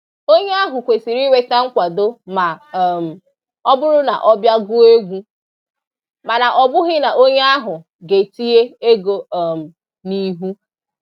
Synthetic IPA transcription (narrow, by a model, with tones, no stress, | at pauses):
o˦ɲe˦a˦ɦʊ˨kʷe˨si˨ɾi˦we˨ta˦ŋ̩˦kʷa˨do˦ma˨m̩˨ | ɔ˦bʊ˦ɾʊ˦na̰˨ʔɔ˦bja˦ɡʊ˦e˦ɡʷu˦ | ma˨na˨ʔɔ˨bʊ˦ɦɪ˦na˨ʔo˦ɲe˦a˦ɦʊ˨ | ɡe˨ti˦e˦e˦ɡo˨m̩˨ | ni˦ɦu˦